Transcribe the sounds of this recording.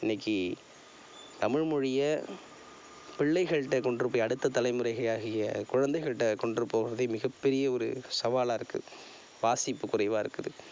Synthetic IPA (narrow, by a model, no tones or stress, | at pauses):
ɪnːɐkːi | t̪ɐmɪɻmʊɻɪjɐ | pɪɭːɐɪɣɐɻʈːɐkɔɳɖɾɯpːojɐɽɯt̪ːɐt̪ːɐlɐɪmɯrɐɪɣɐjaːɣɪjɐkʊɻɐnd̪ɐɪɣɐɭʈːɐkɔɳɖrɯpːoːɣɪɾɐðɐɪmɪɣɐpːɛɾɪjɐɔɾɯ̰sɐʋaːlaːɪɾɯkːɯ̰ | ʋaːsɪpːɯkʊrɐɪʋaːɪɾɯkːɯðɯ̰